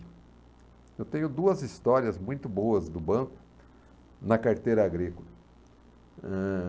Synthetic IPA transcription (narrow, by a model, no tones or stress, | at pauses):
ewt̪ẽɲʊd̪uɐzist̪ɔɾiɐzmũj̃t̪ʊboɐzd̪ʊbɐ̃kʊ̥ | nɐkaɾt̪ejɾɐaɡɾikʊlɐ | ɛ